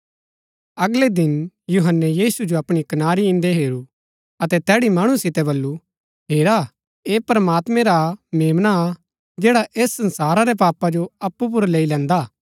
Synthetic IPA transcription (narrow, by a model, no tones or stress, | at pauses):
ɐɡled̪ɪnjuɦənːɛjiːsud͡ʒoɐpɽ̃ikɐnaːɾiɪ̃nd̪eɦeːɾu | ɐt̪ɛt̪ɛːɽimaːɽ̃ũsɪt̪ɛbɐlːu | ɦeːɾa | eːpɾəmaːt̪mɛ̃ɾameːmna | d͡ʒeːɽaʔeːsːɐ̃nsaːɾaɾɛpaːpad͡ʒoɐpːup̬ʊɾleːilɛ̃ːnd̪aː